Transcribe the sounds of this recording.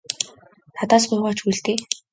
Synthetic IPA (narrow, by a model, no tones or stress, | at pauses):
nat̪aːs̬pʊːʁɔːt͡ɕujɮt̪eː